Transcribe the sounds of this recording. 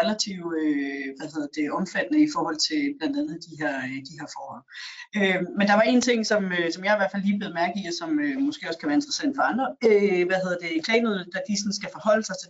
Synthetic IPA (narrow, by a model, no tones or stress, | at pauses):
ʁɛlæt͡sʰiʊøʋæðhe̝ð̰ˠðˠd̥e̝ʔɒ̽mfæd̥nəifɒːhɒ̽l̰t͡sʰe̝lb̥lænd̥ænð̩ˠd̥iɦeɐd̥iheɐfɒːhɒ̽l̰ømend̥ɑ̈ʋɑ̈e̝nt͡sʰe̝ŋ̰sɒ̽møsɒ̽mjɑ̈iʋæɐfælːiːb̥le̝ːðˠmæɐɡ̥iæsɒ̽mømɔ̽sɡ̥e̝ːɒ̽skʰæʋæɐe̝nd̥ʁɐsænd̥fɒ̽ɑ̈nd̥ʁɐøʋæhe̝ð̰ˠɐd̥e̝kʰlɛːnuðˠd̥æd̥isɒ̽nsɡ̥æfɒhɒ̽l̰əsɑɪs